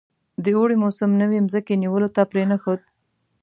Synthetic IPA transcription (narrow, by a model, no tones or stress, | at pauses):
d̪əoɽimosəmnəwemzəkeniwəlot̪apɾenaxod̪̚